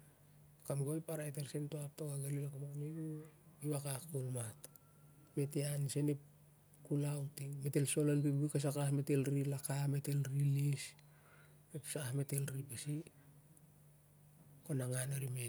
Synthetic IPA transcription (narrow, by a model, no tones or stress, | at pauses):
kamɡojpaɾaetelsentoap̚tokaɡelilakamaknebuiβakakolmat | meteansenep̚ | kulawtime̞te̞lso̞lalbibujkas̬akahmete̞lɾilakame̞te̞lɾilis | epsahme̞te̞lɾipesi | konaŋanaɾime